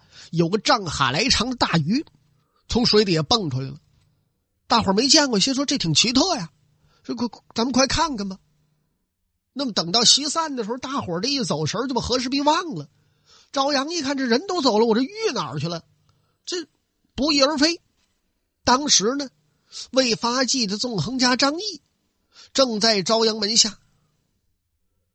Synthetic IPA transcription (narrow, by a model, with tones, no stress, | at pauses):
jo˨˩ʊɡə˧ʈ͡ʂɑ˥˩ŋxa̰˨˩la˧˥ɪʈ͡ʂʰɑ˧˥ŋd̪ə˧t̪a˥˩y˧˥ | t͡sʰʊ˧˥ŋʂwe˧˥ɪt̪i˧˩jɛ˨˩pə˥˩ŋʈ͡ʂʰu˧la̰˧˥ɪlə˦ | t̪a˥˩xwə˨˩me˧˥ɪt͡ɕjɛ˥˩nkwɔ˥˩ɕɛ˥nʂwɔ˥ʈ͡ʂe˥˩t̪ʰi˨˩ŋt͡ɕʰi˧˥t̪ʰɤ˥˩ja˩˥ | kʰt͡sa˧˥nmə˧kʰwa˥˩ɪkʰa˥˩nɡə˧˩mɐ˩ | na˥˩mə˩t̪ɤ˨˩ŋt̪ɑ˥˩ʊɕi˥sa˥˩nd̪ə˩ʂɻ̩˧˥˧t̪a˥˩xwɔ˨˩ʈ͡ʂə˥˧i˥˩t͡so˨˩ʊʂə˞˧˥t͡ɕjo˥˩xɤ˧˥ʂɻ̩˥pi˥˧wɑ˥˩ŋlə˩ | ʈ͡ʂɑ˥ʊjɑ˧˥ŋi˥˧kʰa˥˩nʈ͡ʂə˨˩ɻə˧˥nt̪o˥ʊt͡so˨˩ʊlə˦wɔ˨˩ʈ͡ʂo˥˧ʊy˥˩nə̰˨˩˥t͡ɕʰy˥˩la˧˩ɪ | ʈ͡ʂə˥˩ | pu˧˥i˧˥˩ə˞˧˥fe˥ɪ | t̪ɑ˥ŋʂɻ̩˧˥nə˨ | we˥˩ɪfa˥t͡ɕi˥˩d̪ə˩t͡sʊ˥˩ŋxɤ˧˥ŋt͡ɕja˥ʈ͡ʂɑ˥ŋi˥˩ | ʈ͡ʂɤ˥˧ŋt͡sa˥˩ɪʈ͡ʂɑ˥ʊjɑ˧˥ŋmə˧˥nɕja˥˩